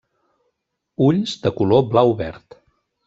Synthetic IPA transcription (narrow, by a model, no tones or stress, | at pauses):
uʎzd̪əkuloblawuβɛ̰ɾt̪